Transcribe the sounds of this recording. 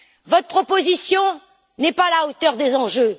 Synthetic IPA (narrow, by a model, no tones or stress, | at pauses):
vɔt̪χəpχɔpozisjɔ̃ | nɛpalaot̪œʁd̪ezɑ̃ʒø